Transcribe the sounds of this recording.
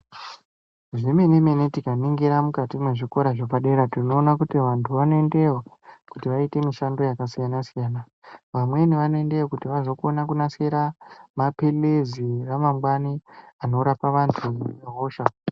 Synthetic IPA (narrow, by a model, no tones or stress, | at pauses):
ʐeme̞neme̞netikaniŋɡiɾamukatimeʐiko̞ɾaʐopaɗe̞ɾatino̞ːnakutiʋantʰuʋanoe̞nde̞wokutiʋaite̞miʃando̞jakasijanasijaːna | ʋamwe̞niʋanoe̞nde̞wokutiʋazokuonakunaseɾamapeleziramamɡwaniano̞ɾapaʋantʰujeɦoːʃa